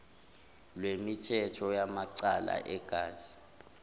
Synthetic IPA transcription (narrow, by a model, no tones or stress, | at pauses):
lwemitʰɛtʰɔjamaǀala̰ʔɛɡ̥ʱaːz̥i̥